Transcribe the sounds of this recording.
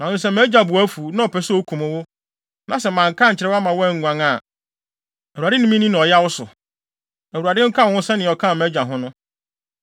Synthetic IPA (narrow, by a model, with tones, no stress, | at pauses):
nã˨ʊ̃˦sɛ˦˨mɛ˦d͡ʑᶣa˨bʊ˨æ˦fu˨nã˦ɔ˨pʰɛ˨sʊ˦o˦kʰũ˨mʊ̃˦wʊ˦ | nã˨sɛ˨mã˨ŋ˨kʰã˦ɲ̩˨t͡ɕʰɪ˨ɾɛ˦a˦mã˨wŋ̩˨ɡʷã˨ŋa˨ | æ˨u˨a˨dɪ˦nĩ˦mĩ˦nĩ˦nã˨ɔ˨ja˦wʊ˦sʊ˨ | æ˨wu˨a˨dɪ˦ŋ̩˦kʰã˦˨ʊ̃˦sɛ˦nɪ̃˨ɔ˨kʰã˦˨mɛ˦d͡ʑᶣa˨ɦʊ̃˦nʊ̃˦